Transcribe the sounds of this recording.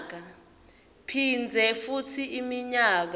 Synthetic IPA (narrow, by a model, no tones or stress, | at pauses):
k̬a | pʰind͡zʱɛfutʰiimiɲaːk̬